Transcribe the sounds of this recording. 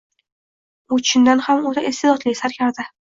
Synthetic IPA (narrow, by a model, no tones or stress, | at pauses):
ʊt͡ʃʰɪnd̪anhamot̪ʰaest̪ed̪ɒt̪lɪsaɾkʲʰaɾd̪ɪ